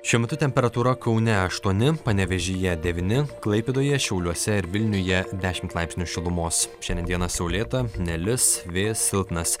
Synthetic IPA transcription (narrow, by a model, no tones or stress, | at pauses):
ʃʲuɔmʲɛt̪ʊt̪ʲɛmʲpʲɛɾɐt̪uːɾɐkɐʊnʲɛɐʃt̪uɔnʲɪpɐnʲɛʋʲɛʒʲijɛd̪ʲɛʋʲinʲɪklˠɐɪpʲeːd̪oːjɛʃʲɛʊlʲuɔsʲɛɪɾʋʲɪlʲnʲʊjɛd̪ʲæːʃʲɪmt̪lˠɐɪpʲsʲenʲʊʃʲɪlˠʊmoːsʃʲɛnd̪ʲɛnd̪ʲiɛnɐsʲɛʊlʲeːt̪ɐnʲɛlʲɪsʋʲeːsʲɪlˠt̪nɐs